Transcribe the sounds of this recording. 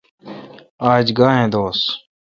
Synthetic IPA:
aːd͡ʒɡaːɦẽːd̪oːs

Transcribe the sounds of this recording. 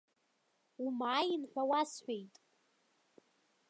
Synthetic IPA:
umaːjinħᶣʷawasħʷᶣejtʼ

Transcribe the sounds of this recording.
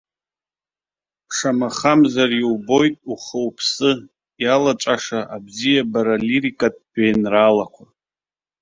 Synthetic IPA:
ʂamaχamzarjiwbo̞jtʼuχəwpʰsɨ | jalat͡ʃʼaʂaʔabzijabaɾaliɾikʼatʼbejnralakʷʰa

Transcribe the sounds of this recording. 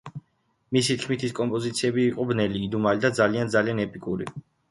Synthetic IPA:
misit̪ʰkʰmit̪ʰiskʼɔmpʼɔzit̪sʰiɛbiːqʼɔbnɛliːd̪umalid̪ad̪zaliand̪zalianɛpʼikʼuɾi

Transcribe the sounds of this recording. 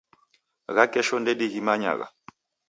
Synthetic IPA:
ɣakʼɛʃɔndɛɗiɣimaɲa̰ɣa̰

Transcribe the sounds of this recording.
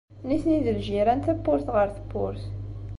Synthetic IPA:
niθniðəlʒiɾænt̪æbːʊɾθʁəɾθə̥pːʊ̰ɾθ

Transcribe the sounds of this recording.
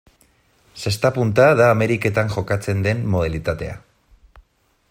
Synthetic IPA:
se̞st̪apunt̪aðaːme̞ɾike̞t̪aŋʝo̞kat͡se̞nd̪e̞mːo̞ð̞alit̪at̪e̞̰a̰

